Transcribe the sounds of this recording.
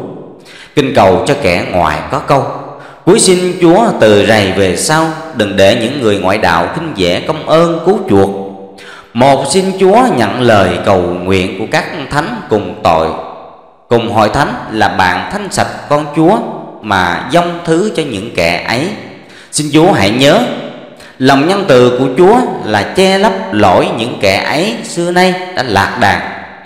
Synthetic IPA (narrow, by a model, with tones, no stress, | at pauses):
kï˧ŋ̟kə˨˩wt͡ɕɔ˧kɛ˧˩ŋwa̰ː˧˨jkɔ˨˦kə˧w | ku˨˦əjsi˧nt͡ɕu˨˦ət̪ɨ̰˨za˨˩jve˨˩saː˧wɗɨ˨˩ŋɗe˧˩ɲɨ̰˧˥ŋːɨ˨˩əjŋwa̰ː˧˨jɗa̰ː˧˨wxï˧ŋ̟zɛ̰˧˩kə˧wŋ͡mʔəː˧nku˨˦t͡ɕu˨˩ək̚ | mo˨˩t̚si˧nt͡ɕu˨˦əɲə̰˧˨nləː˨˩jkə˨˩wŋwḭ˧˨ənku˧˩əkaː˦˥k̚t̪ʰa˨˦jŋkʊ˨˩ŋ͡mt̪o̰˧˨j | kʊ˨˩ŋ͡mɦɔ̰˧˨jt̪ʰa˨˦jŋlaː˨˩ɓa̰ː˧˨nt̪ʰa˨˦jŋ̟sa˨˩t̚kɔ˧nt͡ɕu˨˦əmaː˨˩zə˧wŋ͡mt̪ʰɨ˨˦t͡ɕɔ˧ɲɨ̰˧˥ŋkɛ˧˩ʔə˨˦j | si˧nt͡ɕu˨˦əɦa̰˧˩˨jɲəː˨˦ | lə˨˩wŋ͡mɲə˧nt̪ɨ˨˩ku˧˩ət͡ɕu˨˦əlaː˨˩t͡ɕɛ˧lə˦˥p̚lo̰˧˩jɲɨ̰˧˥ŋkɛ˧˩ʔə˨˦jsɨ˧əna˧jɗa̰ː˧˥la̰ː˨˩k̚ɗaː˨˩ŋ̚